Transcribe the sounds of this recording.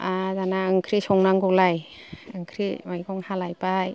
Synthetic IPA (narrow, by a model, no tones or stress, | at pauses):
azanaɯŋkʰɾisɔŋnaŋɡɔlaj | ɯŋkʰɾimajɡɔŋhalajpaj